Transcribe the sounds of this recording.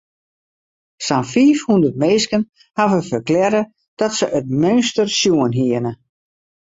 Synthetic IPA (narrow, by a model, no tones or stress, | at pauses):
sanfiːfhundərt̚meːskən | havəfərklɛɾə | d̥ɔtsəʔət̚mønstərsjuənɦiənə